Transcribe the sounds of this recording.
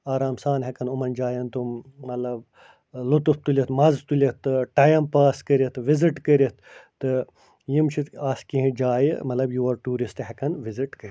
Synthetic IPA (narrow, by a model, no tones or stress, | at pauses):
aːɾaːmsaːnɦɐkɐnumɐnd͡ʒaːjɐnt̪umːɐt̪lɐb | lut̪uft̪ulʲɐt̪mɐzt̪ulʲɐt̪ːɨʈaːjɐmpaːskəɾɐt̪ʰʋiziʈkəɾʲɐt̪ʰt̪ɨ | jimt͡ʃʰit̪aːskiɦĩd͡ʒaːjḭmɐt̪lɐbjuɐɾʈuːɾist̪ɦɛkɐnʋiziʈkəɾʲ